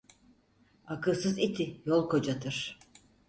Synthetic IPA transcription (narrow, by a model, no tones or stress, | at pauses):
akɯlˠsɯzit̪ʰijolˠkʰo̞d͡ʒat̪ʰɯɾ̥